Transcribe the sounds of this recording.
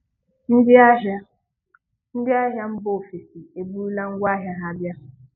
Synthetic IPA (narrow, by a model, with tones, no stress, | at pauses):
n̩˦dɪ˦a˦ | n̩˦dɪ˦a˦ɦja˦m̩˦bo˨fi˨si˨e˨bu˦la˦ŋ̩˦ɡʷa˦ɦja˨ɦa˦˨bja˦